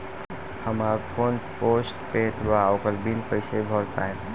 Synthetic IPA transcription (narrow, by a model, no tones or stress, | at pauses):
həmaːɾpʰoːnposʈpet̪ʋaɔokəɾbilpəɪsebʱɔɾt̪a̰ɦen